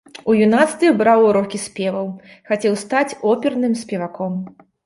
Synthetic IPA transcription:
ujunat̪st̪ɨbɾawɾɔkʲisʲpʲɛvɐw | xat͡sʲɛwst̪at͡sʲɔpʲɛrnɨmsʲpʲɛvakɔm

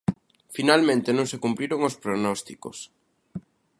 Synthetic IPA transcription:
finalmẽnt̪enõŋsekumpliɾoŋospɾonɔst̪iko̰s

